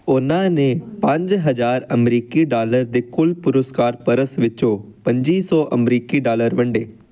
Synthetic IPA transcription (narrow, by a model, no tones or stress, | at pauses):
ʊnãnẽpə̃ɲd͡ʒɦɐzaːɾɐmɾiːkiɖaːləɾd̪ekʊlpʊɾʊskaːɾpɐɾəsʋɪt͡ʃopɐ̃ɲd͡ʒiːsɔːʔɐmɾiːkiɖaːləɾʋɐ̃ɳɖeː